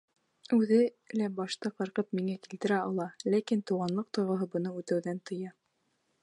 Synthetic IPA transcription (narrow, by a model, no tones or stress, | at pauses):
ʉðɘ | læbɑʃt̪ɑqɑɾqɤp̚miŋækilt̪ɘ̆ɾæɑlˠɑlækint̪uʁɑnlˠɤq̚t̪ŏjʁɤ̆ɦɤbɤ̆nɤʉt̪æwðænt̪ɤ̆jɑ